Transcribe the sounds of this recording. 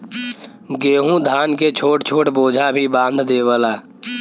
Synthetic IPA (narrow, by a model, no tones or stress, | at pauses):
ɡeːɦũd̪ʱaːnket͡ʃʰoːʈt͡ʃʰoːʈboːd͡ʒʱabʱibãːnd̪ʱd̪eːʋəlaː